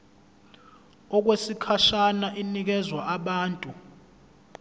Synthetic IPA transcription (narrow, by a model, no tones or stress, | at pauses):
ɔk̬wesikʰaʃanaʔinik̬ɛzwaʔaɓaːntʼu